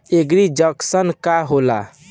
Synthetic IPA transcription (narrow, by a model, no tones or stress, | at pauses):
eɡɾid͡ʒəksənkaɦola̰